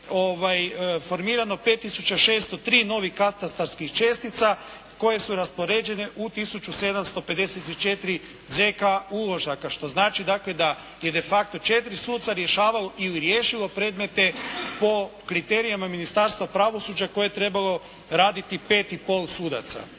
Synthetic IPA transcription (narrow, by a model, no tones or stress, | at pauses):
oːʋajfo̞ɾmiːɾano̞pe̞t̪ːisut͡ʃaʃe̞ːst̪o̞t̪ɾiːno̞ʋixkat̪ast̪aɾskixt͡ʃe̞ːst̪it̪sa | ko̞je̞suɾaspo̞ɾe̞ːd͡ʒe̞ne̞ʔut̪isut͡ʃuse̞d̪amst̪o̞pe̞d̪e̞set̪it͡ʃe̞t̪ɾi | zekaulˠo̞ʒakaʃt̪o̞znaːt͡ʃid̪akle̞d̪a | je̞d̪e̞fakt̪o̞t͡ʃet̪ɾisuːd̪t̪saɾje̞ʃaːʋalo̞ʔiliɾjeːʃilo̞pɾe̞ːd̪me̞t̪e̞po̞kɾit̪e̞ːɾijamaminist̪aɾst̪ʋapɾaʋo̞suːd͡ʑako̞jet̪ɾe̞balˠo̞ | ɾaːd̪it̪ipe̞ːt̪ipo̞ːlˠsuːd̪a̰t̪sa̰